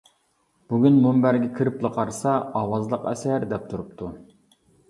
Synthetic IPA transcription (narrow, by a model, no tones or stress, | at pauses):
b̥uɡʲynmumbæɾɡʲɛkʲʰiɾɪplˠəqʰɑɾsɑɑwɑzlˠəqɛ̰sæɾd̪ɛp̚t̪ʰuɾupt̪ʰu